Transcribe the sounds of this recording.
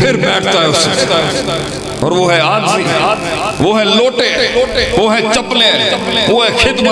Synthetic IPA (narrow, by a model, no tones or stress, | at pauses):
pʰɪɾmɛːʈʰt̪aɦɛʊse | ɔ̰ːɾʋoɦɛaːi | ʋoɦɛloːʈeʋoɦɛt͡ʃɐplẽʋoɦɛkʰɪt̪mə